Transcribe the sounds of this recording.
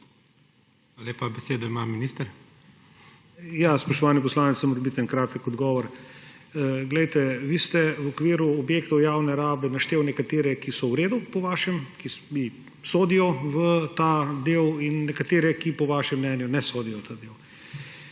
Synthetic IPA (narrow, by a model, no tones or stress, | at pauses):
xxaaleːpabɛseːd̪ɔimaminiːst̪əɾ | jaːspɾɔʃt̪ɔʋaːnip̬ɔslaːnit̪sɛmɾbit̪ɛnkɾaːt̪ɛkɔd̪ɡɔːʋɔɾ | ɡlɛjt̪ɛʋiːst̪ɛwɔkʋiːɾuɔbjeːkt̪ɔwjaːwnɛɾaːbɛnɐʃt̪eːwnɛkat̪eːɾɛkisɔwɾeːd̪upɔʋaːʃɛmkibi | soːd̪ijɔʋət̪ad̪eːwinːɛkat̪eːɾɛkipɔʋaːʃɛmːnɛːnjunɛsoːd̪ijɔt̪ad̪eːw